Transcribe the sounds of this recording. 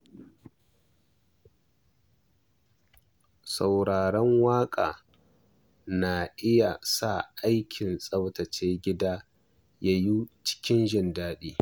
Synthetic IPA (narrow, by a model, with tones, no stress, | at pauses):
sa˨wɽaː˨ɽɔ˦ŋwaː˦kʼa̰ː˨ | na˨ʔɪ˦ja˨sa˦˨ʔa˦jkʲʰɪ˨nsʼɐ˦wtɐ˨t͡ʃeː˦ɡʲɪ˦daː˦ | ja˦juː˦t͡ʃɪ̥˦kʲɪ˦nʒɪ˦ndaː˦ɗiː˦